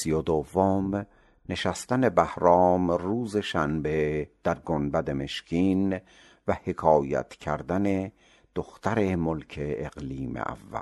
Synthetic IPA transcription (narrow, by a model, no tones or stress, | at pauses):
sijod̪ovːom | ne̞ʃæst̪æne̞bæhɾɒːmruːze̞ʃænbed̪̥æɾɡonbæd̪e̞me̞ʃcʰiːn | væhe̞kʰɒːjæ̰t̪ʰcʰæɾd̪æne̞ | d̪̥oxt̪ʰæɾemolkʰeːɣliːmḛʔæ̰vːæ̰l